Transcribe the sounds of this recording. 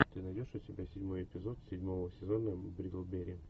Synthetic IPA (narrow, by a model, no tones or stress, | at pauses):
t̪ɨnɐjdʲo̞ʂʊtʲɪbʲasʲɪdʲmo̞jɪpʲɪzo̞t̪sʲɪdʲmovəsʲɪzonəbɾʲiɡlˠbʲeɾʲɪ